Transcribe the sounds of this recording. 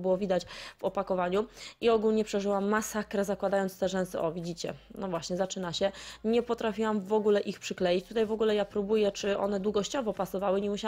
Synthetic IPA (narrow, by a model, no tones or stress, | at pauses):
bɘwɔvʲid̪at͡ɕvɔpakɔvaɲuiɔɡulɲɛpʂɛʐɘwamːasakɾɛzakwad̪ajɔnt̪st̪ɛʐɛnsɛ̰ʔɔvʲid͡ʑit͡ɕɛ̰nɔvwaɕɲɛzat͡ʂɘnaɕɛɲɛpɔt̪ɾafʲiwamvɔɡulɛʔixpʂɘklɛjit͡ɕt̪ut̪ajvɔɡulɛjapɾubujɛt͡ʂɘʔɔ̰nɛd̪wuɡɔɕt͡ɕɔvɔpasɔvawɘɲɛmuɕa